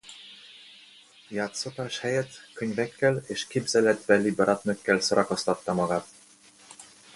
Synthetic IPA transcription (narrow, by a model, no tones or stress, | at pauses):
jaːt̪sot̪aːʃhɛjɛt̪køɲvɛkːɛleːʃkeːbzɛlɛd̪bɛlːibɒɾɒt̪nøkːɛlsoɾʔɒkost̪ɒt̪ːɒmɒɡaːt̪